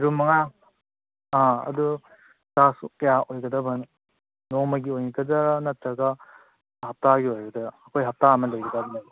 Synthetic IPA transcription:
ɾumɐŋa | aɐ̰du | sasukɐjaojɡɐdabɐn | nɔmɐɡiojnikʰɐdaɾnatɾɐɡa | hap̚taɡiojɡɐdɐːkʰojɦap̚taɐmɐlajɡɐdabɐnɐ

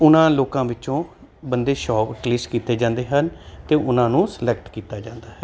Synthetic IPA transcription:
ʊnãːloːkãːʋɪt͡ʃõː | bənd̪eːʃɔːkkliːskiːt̪eːd͡ʒãːnd̪eːɦənt̪eːʔʊnãːnũːsəlɛːk̚ʈkiːt̪aːd͡ʒãːnd̪aːɦɛː

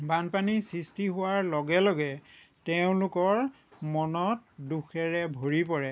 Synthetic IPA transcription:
banpanisistiɦʊwaɹlɔɡɛlɔɡɛ | teʊ̃lʊkɔɹ | mɔnɔt̚duxʰɛɹɛbʱoɹipɔɹɛ

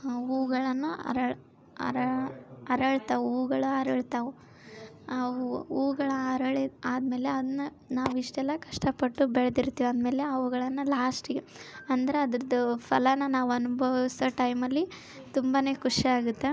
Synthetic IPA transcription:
uːɡɐɭɐnːuɐ̰ɾɐɭ | ɐ̰ɾɐɐɾɐɭt̪aʋuuːɡɐɭuɐɾɐɭt̪ɐʋu | ɐʋuuːɡɐɭɐɐɾɐɭeaːd̪me̞ːle̞ɐd̪ɐnːu | naːʋuiʂʈɛlːɐkɐʂʈɐpɐʈːubɛɭd̪iɾt̪ːiːʋɐnd̪me̞ːleɐʋuɡɐɭɐnːulaːsʈiɡeɐnd̪ɐɾeɐd̪ɐɾɐd̪ɐpʰɐlɐnːɐnaːʋuɐnubʱɐʋisɐʈɐjmɐlːi | t̪umbane̞ːkuʂiaːɡut̪ːe̞

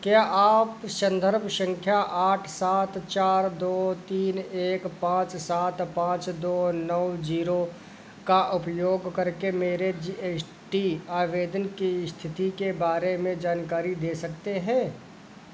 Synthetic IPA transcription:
kjaːʔaːpsə̃nd̪ʱəɾbʱʃə̃ŋkʰjaʔaːʈʰsaːt̪t͡ʃaːɾd̪oːt̪iːneːkpãːt͡ʃsaːt̪pãːt͡ʃd̪oːnəwd͡ʒiːɾo | kaʔʊpjoːɡkɐɾkemeːɾed͡ʒieːs | ʈiaːʋeːd̪ənkist̪ʰɪt̪ikebaːɾemẽd͡ʒaːnkaːɾid̪eːsɐk̚t̪eɦɛ̃ː

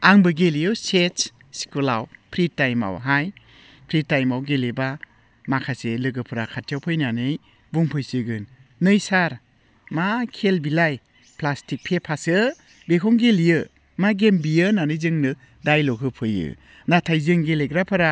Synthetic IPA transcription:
aŋbɯɡelijɯwset | si̥kulawpʰɾitajma̰wɦaj | pʰɾitːajmawɡeleba | makʰaselɯɡɯpʰɯɾakʰatʰijawpʰɯjnanɯj | buŋpʰɯjsɯɡɯnːɯjsaɾ | makʰelbilaj | plastik̚pʰepʰasɯ | bekʰɔŋɡelijɯ | maɡembijɯnanɯjzɯŋnɯ | dajlɔkʰɯpʰɯjɯ̰ | natʰajzɯŋɡeleɡɾapʰɯɾa

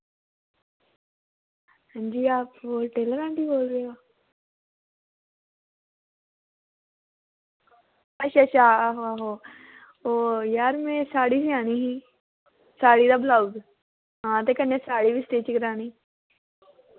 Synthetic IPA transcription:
ə̃ɲd͡ʑiːaːpoʈeːləɾãɳʈiːboːlɾeo | əɕaɕʰaɦoaɦo | ojaːɾmẽsaːɽisiaːɽ̃iɦi | saːɽid̪ablaud̪ | ɦãt̪ekənjasaːɽiːbisʈ̪eːt͡ɕikɾãːɽ̃iː

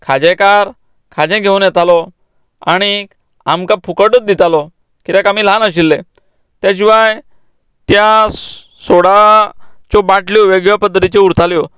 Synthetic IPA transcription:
kʰad͡ʑɛ̃kaɾ | kʰad͡ʑɛ̃ɡʱeunjɛt̪alɔ | aɽ̃i | amkapʰukəʈət̪̚d̪it̪alɔ | kit̪jãkamiːlanəɕ̬ilːẽ | t̪jat͡ɕiʋaj | t̪ja | soɽa | t͡ɕɔbaʈljɔʋeɡjəpəd̪ːət̪it͡ɕeuɾt̪aljɔ

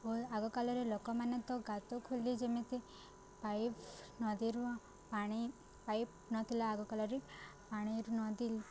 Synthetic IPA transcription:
oaɡɔkalɔɾelɔkɔmanet̪ɔɡat̪ɔkʰulid͡ʒemet̪i | pajpnɔd̪iɾu | paɽ̃i | pajp̚ | nɔt̪ʰilaːɡɔkalɔɾipaɽ̃iɾunɔd̪ili

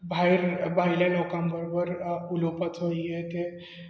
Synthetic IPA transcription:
bʱajɾbʱajlalɔkãmbəɾobəɾulopət̪ojet̪e

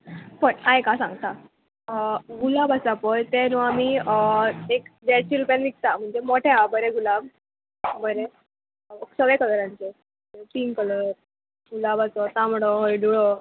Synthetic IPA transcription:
pəɳajkasã̰ŋɡt̪a | ɡulabasapəjt̪enuamiəekd̪eɽt͡ɕiɾupjanʋik̚t̪am̤əɳd͡zemoʈʰɛ̃abəɾẽɡulab | bəɾe | ksəɡɭekələɾãɲt͡ɕe | epiŋkələɾ | ɡulabasɔt̪ãmɽɔɦojɖuɭɔ

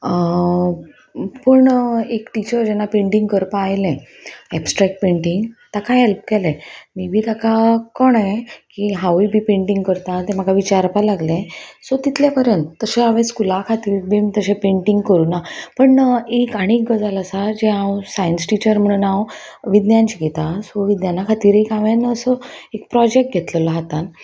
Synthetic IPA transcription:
pəɳekʈit͡ɕəɾd͡ʑɛnːapeɳʈiŋɡkəɾpaːjlẽɛbsʈɾɛk̚ʈ̚peɳʈiŋɡt̪akaɦɛlp̚kɛlẽmiːbʱiːt̪akakɔɳẽkiɦawibʱiːpẽɳʈĩŋɡkəɾt̪ãt̪em̤aɡaʋit͡ɕaɾpalaɡlẽsot̪it̪ʰljapəɾjənt̪ːəɕẽaʋẽskulakʰat̪iːɾkbimit̪əɕẽpeɳʈiŋɡkəɾuːnapəɳekaɽ̃ik̚ɡəd͡zalasad͡ʑeãwsajənsʈit͡ɕəɾm̤əɽ̃uːnãwʋid̪njãɲt͡ɕiɡʱet̪asoʋid̪njanakʰat̪iːɾekaʋenːsəekpɾɔd͡ʑek̚ʈ̚ɡʱet̪ləlɔɦat̪an

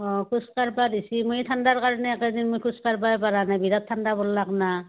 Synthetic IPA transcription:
ɔkʰuskaɹbadisimojt̪ʰandaɹkaɹɔnɛkad̪inmojkʰuskaɹbajpaɹanajbidat̪ʰːandabɔlːakna

